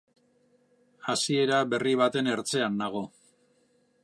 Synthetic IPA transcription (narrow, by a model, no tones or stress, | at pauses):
asie̞ɾaβe̞riβ̞at̪e̞ne̞ɾt͡se̞and̪aɣ̞o̞